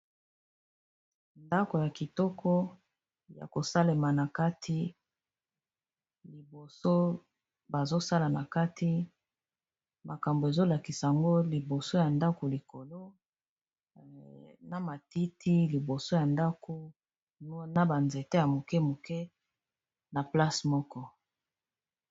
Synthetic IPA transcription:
nda˦ko˨ja˨ki˨tɔ˦kʰɔ˦ | ja̰˨ko˨sa˦le˨ma˨na˨ka˦tʰi˦ | li˨bo˨so˦ | ba˨zo˦sa˦la˨na˨ka˦tʰi˦ | ma˨ka˨mbo˨e˨zo˦la˨ki˨sa˨a˨ŋɡo˦li˨bo˨so˦ja˨nda˦ko˨li˨ko˨lo˦ | na˨ma˨ti˦tʰi˦li˨bo˨so˦ja˨nda˦ko˨˦ | na˦ba˨nze˨te˦ja˨mo˨kɛ˦mo˨kɛ˦ | na˨pla˦smɔ˦kɔ˦

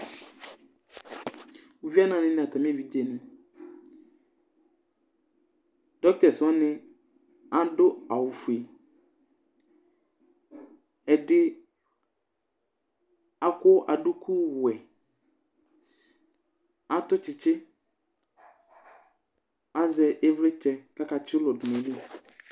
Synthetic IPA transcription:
wo˨vi˦a˦nã˨nɪ̃˦nɪ̃˨a˨tʰa˨m˦ẽ˦vi˨di˦e˨nɪ̃˦ | d̥ɔ˦k̚tɛ˨sɔ˦nɪ̃˦ | a˦dʊ˦a˨wʊ˨fu˨e˨ | ɛ˨dɪ˦ | a˨kʊ˦ʔa˨dʊ˦kʰu˦wʊ˨ɛ˨ | a˦t̪ʊ˦t͡ʃɪ˨t͡ʃɪ˦ | a˦zɛ˨ʔe˦vlɪ˦t͡ʃɛ˨ka˦ka˨t͡ʃɪ˦lʊ˨dʊ˨mɛ̃˨nũ˦

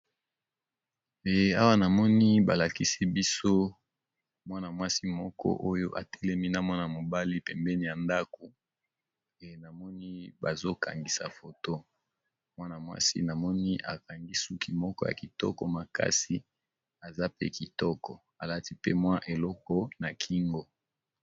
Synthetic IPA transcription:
e˨a˦wa˦na˨mɔ˦ni˦ba˨la˨ki˦si˦bi˦so˦ | mwa˦na˨mwa˦si˦mɔ˦kɔ̰˦ʔo˦jo˦ʔa˨tʰɛ˦lɛ˦mi˦na˦mwa˦na˨mo˨ba˦li˦pɛ˨mbɛ˦ni˦ja˨nda˦ko˨ | e˨na˨mɔ˦ni˦ba˨zo˦ka̰˨ŋɡi˨sa̰˨fo˨to˦ | mwa˦na˨mwa̰˦sḭ˦na˨mɔ˦ni˦ʔa̰˨ka˨ŋɡi˦su˦ki˨mɔ˦kɔ˦ja̰˨ki˨tɔ̰˦kɔ˨ma˨ka̰˦si˦ | a˨za˦pḛ˦ki˨tɔ˦kɔ˨ | a˨la˦ti˦pe˦mwa˦ʔe˨lɔ˦kɔ˦na˨kʰi˦ŋɡo˦

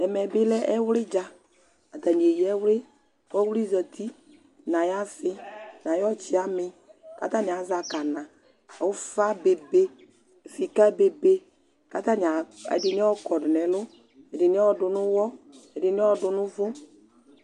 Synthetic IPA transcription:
ɛ˨mɛ˨bɪ˦lɛ˦ʔɛ˦wlɪ˦d͡ʒa˦ | a˨d̪a˨ni˨e˨jɛ˦wlɪ˦ | wɔ˦wi˦zə˨t̪ʰi˦ | nã˨ja˦fɪ˦nã˨jɔ˦t͡ʃɪ˦a˦mɪ˨ | ka̰˦t̪a˦nɪ˨a˨˦za˨ka˨nã˨ | ɛ˨wʊ˦fa˦be˨be˦˨ | fi˨ka˦be˨be˦ | ka˦t̪a˦n˨a˨ɛ̰˨dɪ˨nɪ˦ɔ˦kɔ˨dɪ˨nɛ˨lʊ˦ | ɛ˨dɪ˨nɪ˦ɔ˦ɔ˨dʊ˨nʊ̃˦wɔ˦ɛ˨dɪ˨n˦ɔ˨dʊ˨nʊ̃˦vʊ˦

